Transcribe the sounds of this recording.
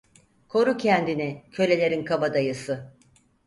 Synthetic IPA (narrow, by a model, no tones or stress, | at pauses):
kʰo̞ɾucʰɛnd̪inicʰø̞lʲe̞lʲe̞ɾinkʰabad̪ajɯsɯ